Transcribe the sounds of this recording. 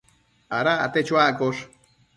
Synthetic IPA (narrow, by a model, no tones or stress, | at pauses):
aɾa̰ːt̪et͡ʃwakoʂ